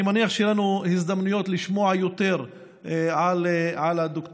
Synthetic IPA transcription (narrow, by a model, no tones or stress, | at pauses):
maniaχʃejɛlanuhizd̪amnujo̞t̪liʃmo̞ʕajo̞t̪e̞ʁ | ʕalʕalad̪ok